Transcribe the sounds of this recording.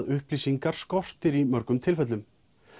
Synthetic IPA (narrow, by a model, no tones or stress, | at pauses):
ðʏhpliːsiŋkaɾ̥skɔr̥t̪ɪɾimœɾkʏmt̪ʰɪlfɛt̪lʏm